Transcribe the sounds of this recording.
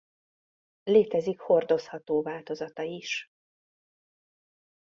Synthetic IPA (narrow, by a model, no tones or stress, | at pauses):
leːt̪ɛzikho̞rd̪o̞shɒt̪oːvaːlt̪o̞zɒt̪ɒiʃ